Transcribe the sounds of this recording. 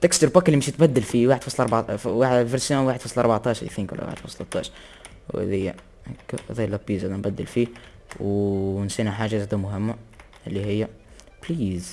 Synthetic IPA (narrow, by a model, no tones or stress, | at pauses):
t̪ækst̪əɾbaklːimɪʃt̪bæd̪ːəlfiwaːħd̪fɑsˤlʔɑɾbawavəɾsjoːnwaːħəd̪fɑsˤlʔɑɾˤbaʕt̪ˤɑːʃɾḭθɪŋkw̰lːa̰wa̰ħəd̪̥fɑ̰sˤlɑt̪ˤːɑ̰ːʃɾ | w̰ðɪjːa | kːðalːæbizæd̪ænbæd̪ːəlfi | wnsiːnaħaːʒazæd̪æmʊɦɪmːa | ʔɪlːiɦɪjːæpliːz